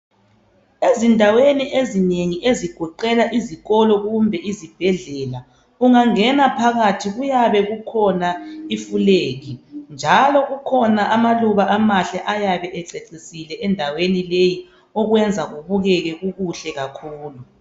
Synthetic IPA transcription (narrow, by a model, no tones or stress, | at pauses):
ezindʱaweniʔezineŋiʔeziɡ̥ʱɔǃɛlaʔiziɣɔlɔɣumbʱɛʔizib̥ʱɛɮɛla | uŋaŋɛnapʰaɣatʰiɣujaβɛɣukʰɔnaifuleːɣind͡ʒʱalɔɣukʰɔnaʔamaluβaʔamaɬɛʔajaβɛʔɛǀeǀisilɛʔɛndʱawenileji | ɔɣwɛnd͡zʱaɣuβuɣɛɣɛɣuɣuɬɛɣakʰuːlu